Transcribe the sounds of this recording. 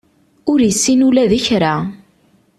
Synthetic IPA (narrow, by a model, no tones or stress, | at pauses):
ʊɾjəsːinulæðiçɾa